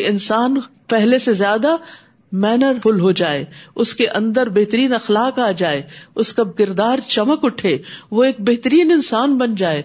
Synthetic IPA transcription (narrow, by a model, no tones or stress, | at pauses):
ɪnsaːnpɛɦlesezjaːd̪a | mɛːnəɾɦʊlɦod͡ʒaːḛːʊskeʔɐ̃nd̪əɾbeɦt̪əɾiːnɐxlaːkaːd͡ʒaːeːʊskakɪɾd̪aːɾt͡ʃɐməkʊʈʰeːʋoeːk̚beɦt̪əɾiːnɪ̃nsaːnbɐnd͡ʒaːeː